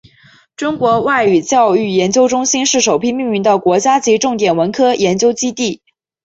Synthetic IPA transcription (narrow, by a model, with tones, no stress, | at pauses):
ʈ͡ʂʊ˥ŋkwɔ˧˥wa˥˩ɪy˨˩t͡ɕjɑ˥˧ʊy˥˩jɛ˧˥nt͡ɕjo˥ʊʈ͡ʂʊ˥ŋɕi˥nʂɻ̩˥˩ʂo˨˩ʊpʰi˥˧mi˥˧ŋy˧˥nd̪ə˧kwɔ˧˥t͡ɕja˥t͡ɕi˧˥ʈ͡ʂʊ˥˩ŋt̪jɛ˨˩nwə˧˥nkʰɤ˥jʔɛ˧˥nt͡ɕjo˥ʊt͡ɕi˥t̪i˥˩